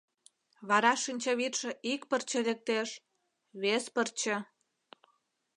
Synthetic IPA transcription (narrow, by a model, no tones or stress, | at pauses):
βɑɾɑʃinʲt͡ɕɑβit̪ʃĕʔikpərt͡ɕĕlek̚t̪eʃ | βespərt͡ɕĕ